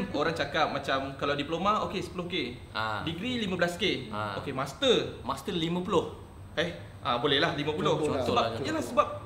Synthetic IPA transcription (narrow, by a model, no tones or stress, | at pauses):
oɾaŋt͡ʃakap̚mat͡ʃamkalawdiplomaokesə̥pəlʊhke | diɡɾilimə̃blaskeokemast̪ərmast̪əlimə̃pulʊh | ɛh | ʔãbolɛhlahlimə̃pulʊhsəbaiənlahsəbap̚